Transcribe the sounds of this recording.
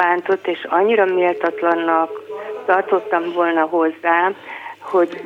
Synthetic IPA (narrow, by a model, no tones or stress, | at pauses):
aːnt̪o̞t̪ːeːʃɒɲːiɾɒmeːlt̪ɒt̪lɒnːɒkt̪ɒrt̪o̞t̪ːɒɱvo̞lnɒɦo̞zːaːho̞ɟ